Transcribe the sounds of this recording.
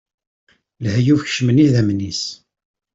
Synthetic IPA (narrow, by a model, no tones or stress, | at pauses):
lhjufçʃməniðæmnis